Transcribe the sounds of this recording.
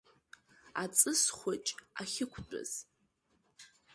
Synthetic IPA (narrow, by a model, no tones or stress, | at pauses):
at͡sʼɨsχʷʊt͡ʃʼaχʲɪkʷʰt͡pʼʊ̰z̥